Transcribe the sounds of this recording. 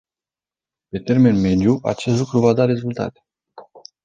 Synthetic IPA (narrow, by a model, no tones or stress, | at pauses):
pe̞t̪e̞rme̞nme̞d̪juʔa̰t͡ʃest̪lukɾuvad̪aɾe̞zult̪a̰t̪e̥